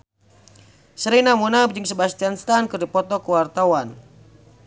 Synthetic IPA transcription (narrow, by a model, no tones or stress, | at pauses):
səɾinamunabd͡ʒɨŋsəbast̪ianst̪ankɨrdipɔt̪ɔkuwart̪awan